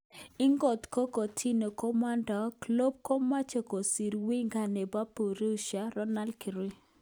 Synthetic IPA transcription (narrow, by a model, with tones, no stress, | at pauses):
ɪ˦ŋɡo˨t̪ko˦ko˨tʰi˦no˨kɔ˦ma˦ndɔ˨klo˦b̚ko˦ma˦t͡ʃo˨ko˨si˨ɾwi˦ŋɡa˨ne˨ba˦po˨ɾe˦u˦ʃa˨ɾɔ˦na˦lki˨ɾi˦